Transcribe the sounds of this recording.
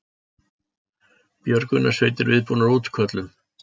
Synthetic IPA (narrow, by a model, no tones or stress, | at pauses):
pjœɾkʏnʔasœːɥt̪ɪɾvɪðpuːnaɾuːt̪kʰœt̪lʏm